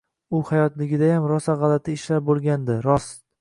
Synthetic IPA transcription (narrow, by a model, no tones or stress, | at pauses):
ʊhajɒt̪lɪɡʲɪd̪ajamɾɒsaʁɑlat̪ʰɪːʃlaɾbolˠɡʲand̪ɪɾɒs